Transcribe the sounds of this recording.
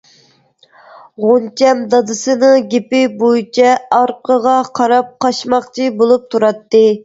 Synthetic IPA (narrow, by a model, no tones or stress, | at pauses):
ʁont͡ʃʰɛmd̪ɑd̪ɨsɨnɨɡʲepɪbojit͡ʃʰɛɑɾqʰəʁɑqʰɑɾɑp̚qɑʃmɑχt͡ʃʰibolˠup̚t̪ʰuɾɑt̪ːɨ